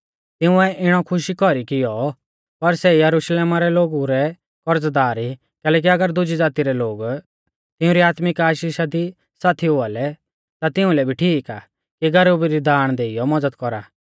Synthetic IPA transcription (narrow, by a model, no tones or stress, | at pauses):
t̪ɪʊ̃ɛʔɪɽ̃ɔkʰʊʃikɔɾikɪjɔ | pɐɾsɛjɐɾʊʃleːmaɾɛloːɡuɾɛ | kɔɾəd͡zd̪aːɾi | kɛːlɛːk̬iɐɡəɾd̪ʊd͡ʒid͡zaːt̪iɾɛloːɡ | t̪ɪʊ̃ɾiaːt̪mɪkaːʃiːʃad̪i | saːt̪ʰiɦʊalɛ | t̪at̪ɪʊ̃lɛbʱiʈʰiːkaː | kiɡɐɾoːbiɾid̪ʱaːɽ̃d̪eːɪjɔmɐd͡zəd̪kɔɾa̰ː